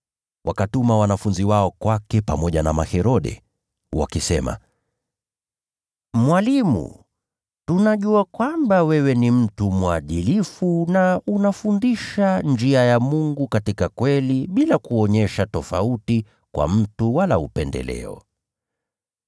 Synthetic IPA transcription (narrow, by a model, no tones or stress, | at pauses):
wʔakatumawanafunziwaɔkwakɛpamɔʄana̰mahɛɾɔɗɛ̰ | wa̰kisɛma̰ | mwalimṵ | tunaʄuakwambawɛwɛnim̩tumwaɗilifunaunafundiʃand͡ʒiajamuŋɡukatikakwɛliɓilakuɔɲɛʃatɔfauti | kwa̰m̩tuwalaupɛndɛ̰lɛ̰ɔ̰